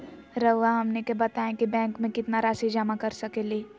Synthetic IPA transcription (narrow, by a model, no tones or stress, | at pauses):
ɾɐʋaɦɐmnekebɐt̪aːẽkibɛ̃ːŋkmẽkɪt̪naɾaːsid͡ʒaːmakɐɾsɐkeːleː